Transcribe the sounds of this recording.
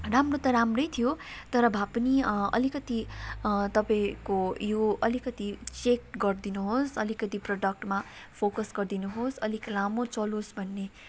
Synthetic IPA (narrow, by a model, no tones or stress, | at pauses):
ramrot̪ʌɾamrʌjt̪ʰijot̪ʌɾʌbʱapʌniʌ̰likʌt̪i | t̪ʌpaikojoʌlikʌt̪it͡sek̚ɡʌrd̪inuɦosʌlikʌt̪iproɖʌk̚ʈma | pʰokʌsɡʌrd̪inuɦosʌliklamot͡sʌlosbʱʌnːe